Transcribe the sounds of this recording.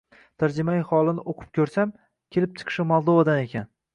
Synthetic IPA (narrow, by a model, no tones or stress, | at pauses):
t̪ʰaɾd͡ʒɪmaɪhɒlˠɪnɪʔoqʰɨ̥p̚kʲʰɵɾsam | kʲʰe̞lɪp̚t͡ʃʰɨ̥qʰɨ̥ʃɪmɒlˠd̪ovad̪ane̞kʲʰan